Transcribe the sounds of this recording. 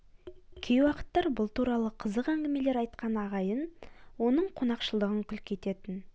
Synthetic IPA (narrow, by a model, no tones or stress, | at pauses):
kʲʰejwɑqə̥t̪ːɑɾbʊlˠt̪ʰuɾɑlˠəqʰəzəqæŋɡʲɪme̞le̞ɾɑjt̪qɑnɑʁɑjənwo̞nəɴqʰo̞nɑqʃəlˠd̪əʁəŋkʲʰʏlkʲʰe̞t̪e̞t̪ɪn